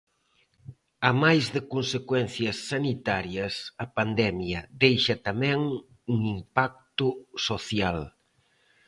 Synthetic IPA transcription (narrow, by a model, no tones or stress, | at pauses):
amajzðɪkonsekwɛn̟θjɐsːanit̪aɾjɐsɐpand̪ɛmjɐðejʃɐt̪amɛ̃ŋ | uŋimpak̚t̪ʊsoθjal